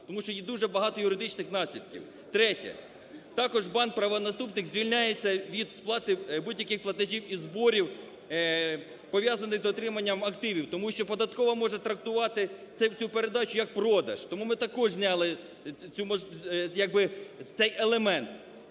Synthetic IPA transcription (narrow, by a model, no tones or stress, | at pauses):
t̪ɔmuʃt͡ʃɔjid̪uʒɛbɐɦɑt̪ɔjʊɾɪd̪ɪt͡ʃnɪxn̪ɑsʲlʲid̪kʲḭw | t̪ɾɛtʲɛ̰ | t̪ɑkɔʒbɑn̚pɾɐʋɐnɐst̪upnɪxzʲʋʲilʲnʲajet͡sʲːɐʋʲid̪splˠɑt̪ɪbudʲjɐkɪxplˠɐt̪ɐʒʲiwizbɔɾʲiw | pɔʋʲjazɐnɪxzɔt̪ɾɪmɐnʲːɐmɐkt̪ɪʋʲiwt̪ɔmuʃt͡ʃɔpɔd̪ɐt̪kɔʋɔmɔʒɛt̪ɾɐk̚t̪ʊʋɑt̪ɪt̪ɛt͡sʲupeɾe̞d̪ɑt͡ʃʊjɐk̚pɾɔd̪ɐ̰ʃt̪ɔmumɪt̪ɐkɔʒzʲnʲɑlˠɪ | t͡sʲumɔjɐɡ̚bɪt̪ɛjelˠemɛnt̪